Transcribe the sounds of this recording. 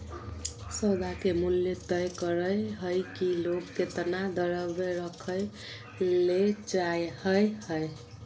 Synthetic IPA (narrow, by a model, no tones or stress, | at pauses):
səd̪ʱakemuljet̪əjkəɾəjɦəjkiloɡket̪nad̪əɾəbeɾəkʰəj | let͡ʃajhəjhəe